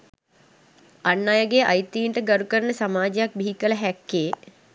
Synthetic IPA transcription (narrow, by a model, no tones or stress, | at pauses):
anːajəɡeʔajt̪iːɳʈəɡaɾukəɾənəsamaːd͡ʒejak̚biɦikələɦækːeː